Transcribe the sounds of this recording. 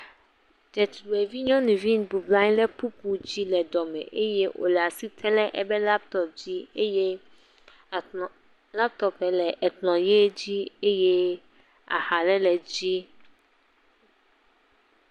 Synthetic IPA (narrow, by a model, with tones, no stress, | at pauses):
dɛ˨t̪wɛ˨vi˦ɲɔ̃˦nũ˨vi˦nbu˨blã˦ɲ˦lɛ˦pu˦pu˦d͡ʑi˦lɛ˨d̪ɔ˨mɛ̰̃˨ʔe˦je˦ʔo̰˨lɛ˨a˨si˦t̪ʰɛ˦lɛ˦ʔɛ˨bɛ˦la˦p̚t̪ɔ˦p̚d͡ʑi˦e˦je˦˨ | la˦p̚t̪ɔ˨pɛ˨lɛ˨ʔɛ˨tlɔ̃˨je˦d͡ʑi˦e˦je˦ | a̰˨ha˨lɛ˦lɛ˨d͡ʑi˦